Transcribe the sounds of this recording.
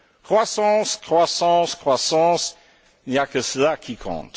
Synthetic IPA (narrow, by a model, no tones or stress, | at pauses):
kχwasɑ̃ːskχwasɑ̃ːskχwasɑ̃ːs | iniakəsəlakʰikʰɔ̰̃ːt̪